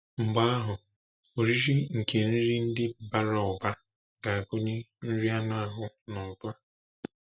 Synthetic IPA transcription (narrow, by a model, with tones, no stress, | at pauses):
ŋ͡m̩˨ɡ͡ba˦ɦʊ˨ | o˨ɾi˦ɾi˦ŋ̩˨kʰe˨n̩˦ɾi˦n̩˦dɪ˦ba˨ɾa˨ʊ˨ba˦ | ɡa˨a˨ɡʊ˦ɲe˦n̩˦ɾi˦a˦nʊ˦a˦ɦʊ˦ | nɔ˨bʊ˦a˦